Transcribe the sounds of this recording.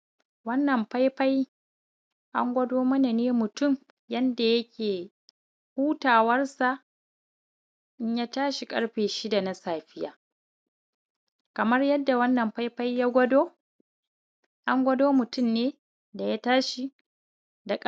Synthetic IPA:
wɐ˦nːɐ˨mɸa˦jɸa˦j | ʔa˦ŋɡʷɐ˦doː˦mɐ˦na˨neː˦mʊ˨tʊ˦m | jɐ˦nda˨jɐ˦kʲʰeː˨ | huː˦taː˨wɐ˦rsa˨ʔ | ʔɪ˦ɲjaː˦taː˦ʃi˨kʼɐ̰˦ɽɸeː˨ʃi˦da˨na˦saː˨ɸɪ˦ja̰ː˨ | kɐ˨mɐ˦rjɐ˦dːa˨wɐ˦nːɐ˨mɸa˦jɸa˦jjaː˦ɡʷɐ˦doː˦ | ʔa˦ŋɡʷɐ˦doː˦mʊ˨tʊ˦mneː˦ | da˨ja˦taː˦ʃi˨ | da˨kʼ

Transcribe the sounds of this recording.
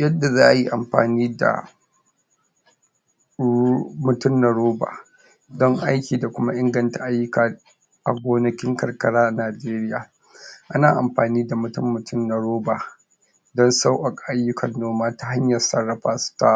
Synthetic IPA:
jɐ˦dːa˨zaː˦ʔa˨ji˦ʔa˨mɸa̰ː˨niː˦da̰˨ | mʊ˨tʊ˦mnɐ˨ɾoː˦ba̰ː˨ | dɔ˦ŋʔa˦jkʲiː˨da˨kʷʊ˦ma˦ʔɪ˦ŋɡɐ˨nta˨ʔa˦jːʊ˦kaː˨ | ʔa˨ɡʷoː˦nɐ˦kʲɪ˦ŋkɐ˨rkɐ˦ɽaː˦ʔnaː˨d͡ʒeː˦ɾɪ˦jaː˨ | ʔa˦naː˨ʔa̰˨mɸaː˨niː˦da˨mʊ˨tʊ˦mːʊ˨tʰʊ˦˨mnɐ˨ɾoː˦baː˨ | dɔ˦nsa˦wʔa˨kʼa˨a˦jːʊ˦kʰɐ˨nːoː˦maː˦ta˦ha˦ɲjɐ˨rsɐ˦rːɐ˨ɸaː˦sta˦

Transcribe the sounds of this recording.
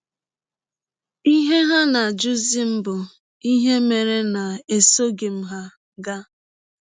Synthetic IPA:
i˦ɦe˦ɦa˦na˨d͡ʒu˦zi˦m̩˦bʊ˨ | i˦ɦe˦me˨ɾe˦na˨e˨so˦ɡe˨m̩˦ɦa˦ | ɡa˦

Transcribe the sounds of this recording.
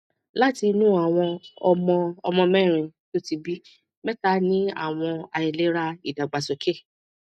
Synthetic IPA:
la˦ti˧nũ˦a˨w̃ɔ̃˧ɔ˧mɔ̃˧ɔ˧mɔ̃˧mɛ̃˦˨ɾ̃ĩ˧˨to˦ti˧bi˦ | mɛ˦ta˧˦nĩ˦a̰˦˨w̃ɔ̃˧a˧˨i˨le˨˦ɾa˧i˦˨da˨ɡ͡ba˨sɔ˨ke˦˨

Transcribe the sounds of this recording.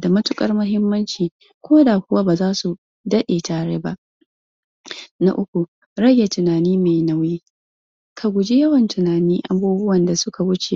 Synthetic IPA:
da˨mɐ˦tʊ˦kʼɐ˦rmʊ˦ɦɪ˦mːɐ˦nt͡ʃiː˨ | kʷoː˦daː˨kʷʊ˦waː˦baː˨zaː˦su˨ | dɐ˦ɗeː˨taː˨ɽe˦ba˦ʔ | na̰˦ʔʊ˦kʷu˨ | ɽɐ˦jːa˨tʊ˨naː˨niː˦ma˨jna˦wjiː˦ | kʰa˨ɡʷʊ˨d͡ʒi˦jɐ˦wɐ˨ntʰʊ˨naː˨niː˦ʔa̰˦buː˦bʊ˦wɐ˨nda˨sʊ˦ka˨wʊ˦t͡ʃe˨

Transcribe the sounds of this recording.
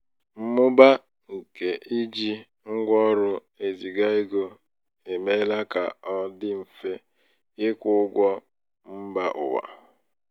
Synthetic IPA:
m̩˦mʊ˦ba˦ | ŋ̩˨ke˨ʔi˦d͡ʒi˦ | ŋ̩˦ɡʷɔ˦ɾʊ˦ | e˨zi˨ɡa˦ɪ˦ɡo˦ | e˨me˦la˦ka˨ɔ˦dɪ˦m̩˨fe˦ | ɪ˦kʷʊ˦ɡʷɔ˦ | m̩˦ba˨ʔʊ̰˨wa̰˨

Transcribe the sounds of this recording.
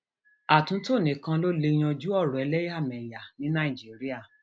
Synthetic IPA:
a˨tũ˨˦to˦˨nĩ˨˦˨kã˧lo˦le˧j̃ã˧d͡ʒu˦ɔ˦˨ɾɔ̃˨ɛ˨˧˦lɛ˦ja˦˨mɛ˨ja˨nĩ˨˦nã˦˨i˨d͡ʒi˨˦ɾi˦a˦˨

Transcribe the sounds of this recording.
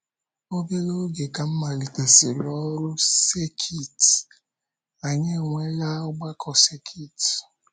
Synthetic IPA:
o˦be˦lo˦ɡe˨ka˨m̩˦ma˨li˨te˨si˨ɾɔ˦ɾʊ˦se˦kʰi˦˨t | a˨ɲe˦˨ŋʷe˦la˦ʊ˦ɡ͡ba˦kʰɔ˨se˦kʰi˦˨t

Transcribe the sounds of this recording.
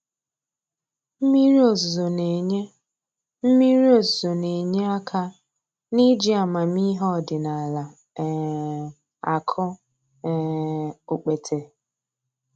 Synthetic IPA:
m̩˦mi˦ɾi˦o˨zzo˨ne˨ɲe˦ | m̩˦mi˦ɾi˦o˨zzo˨ne˨ɲe˦a˦kʰa˦ | ni˦d͡ʒi˦a˨ma˨mi˦ɦɔ˦˨dɪ˨na˨la˨˦ | a̰˨kʰʊ˦ | o˨k͡pe˨tʰe˨

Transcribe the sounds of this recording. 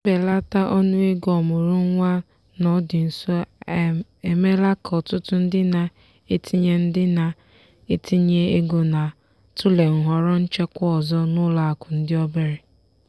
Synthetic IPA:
m̩˦be˨la˦ta˦ʔo˦nu˦e˦ɡɔ˨mʊ˨ɾʊ˦ŋʷa˦ | nɔ˦dɪ˨n̩˨sɔ˦ | e˨me˦la˦kɔ˨tʊ˦tʊ˦n̩˦dɪ˦na˨ | e˦ti˦ɲe˦n̩˦dɪ˦na˨ | e˦ti˦ɲe˦e˦ɡo˨na˨ | tʊ˦le˨ŋ̩˨ɦʷɔ˨ɾɔ˦n̩˦t͡ʃe˦kʷɔ˦ɔ˨zɔ˦nʊ˦la˨a˨kʷʊ˨n̩˦dɪ˦ɔ˦be˦ɾɪ˨

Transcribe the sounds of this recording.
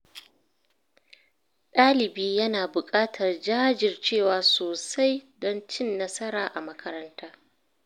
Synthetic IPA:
ɗaː˦lɪ˨biː˦jɐ˦naː˨bʊ˨kʼaː˦tʰɐ˨rd͡ʒaː˦d͡ʒɪ˨rt͡ʃeː˦˨waː˨soː˨sa˦jdɔ˦nt͡ʃɪ˦˨nːɐ˦sɐ˦ɾaː˨ʔa˨mɐ˦kʰɐ˦ɾɐ˦ntaː˦

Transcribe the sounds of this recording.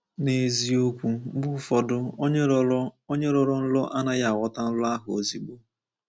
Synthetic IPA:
ne˨zi˦o˦kʷu˦bu˦fɔ˨dʊ˦o˦ɲe˦ɾɔ˨ɾɔ˦n̩˦lɔ˦ʔa˦na˦ja˦˨a˨wʷɔ˦ta˦n̩˦lʊ˦a˦ɦʊ˨o̰˨zi˦ɡ͡bo˦

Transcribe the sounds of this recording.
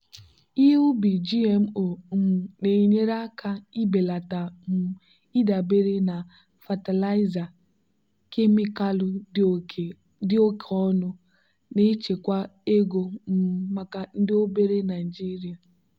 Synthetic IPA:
i˦ɦe˦ʊ˦bi˨d͡ʒi˦e˨m̩˦o˨˦m̩˨ne˨i˨ɲe˦ɾa˦kʰa˦i˦be˨la˨ta˨m̩˦ | i˦da˨be˦ɾe˦na˨ | fa˨ta˨la˦ɪ˦za˨ | ke˦mi˦ka˦lʊ˦˨ | dɪ˦o˦kʰe˨ɔ˦nʊ˦ | ne˦t͡ʃe˨kʷa˦e˦ɡo˨m̩˦ma˨ka˨n̩˦dɪ˦o˦be˦ɾe˦na˨d͡ʒi˦ɾi˨a˨

